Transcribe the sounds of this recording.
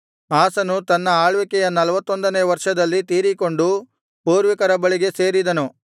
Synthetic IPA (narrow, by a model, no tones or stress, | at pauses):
aːsɐnut̪ɐnːɐaːɭʋikɛjɐnɐlɐʋɐt̪ːo̞nd̪ɐneːʋɐɾʂɐd̪ɐlːit̪iːɾiko̞ɳɖu | puːɾʋikɐɾɐbɐɭiɡe̞se̞ːɾid̪ɐnu